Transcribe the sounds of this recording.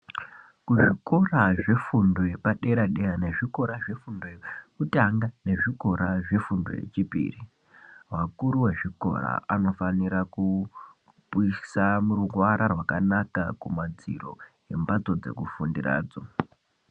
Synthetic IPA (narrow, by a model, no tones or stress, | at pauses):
kuʐiko̞raʐe̞fundojepaɗe̞ɾaɗeane̞ʐiko̞ɾaʐe̞fundojekutaŋɡane̞ʐiko̞ɾaʐe̞fundo̰jḛt͡ʃipḭːri | wakuɾuwe̞ʐiko̞̰ɾa̰ano̞faniɾaku | puisamuɾuɡwaɾarwakanakakumad͡ziro̞̰je̞mbat͡so̞d͡ze̞̰kufundira̰ːd͡zo̞